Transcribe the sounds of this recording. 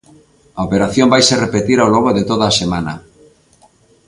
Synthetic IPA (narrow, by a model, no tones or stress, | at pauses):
aopeɾaθjombajserepet̪iɾaowloɣoðet̪oðaːsemana̰